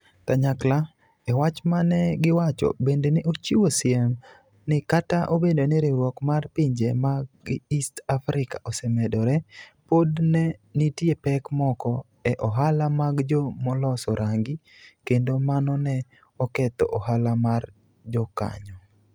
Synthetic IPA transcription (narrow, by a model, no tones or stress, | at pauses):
taɲakla | ɛwat͡ʃmanɛɡɪwat͡ʃɔ̰bendenɪʔot͡ʃiwosɪɛm | nɪkataʔobedonɪɾɪɾwɔkmarpiɲd͡ʒemaɡistafɾɪkaʔɔsɛmɛdɔɾɛpodnɛnitjepɛkmɔkɔ | ɛʔɔɦalamaɡd͡ʒɔmɔlɔsɔɾʔaŋɡi | kendomanɔnɛ | ɔkɛt̪ɔ̰ʔɔɦalamar | d͡ʒɔka̰ɲɔ